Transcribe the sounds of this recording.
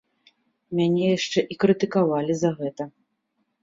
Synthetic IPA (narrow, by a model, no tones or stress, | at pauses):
mʲanʲɛjaʂt͡ʂɛʔikɾɨt̪ɨkavalʲizɐɣɛt̪ɐ